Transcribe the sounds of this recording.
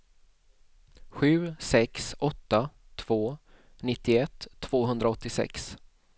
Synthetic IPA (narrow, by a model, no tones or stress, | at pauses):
ɧʉ̟ːsɛksɔt̪ːa | t̪ʰv̥oː | nɪt̪ːɪɛt̪ʰːv̥oːɦɵnd̪ɾaɔt̪ːɪsɛ̰ks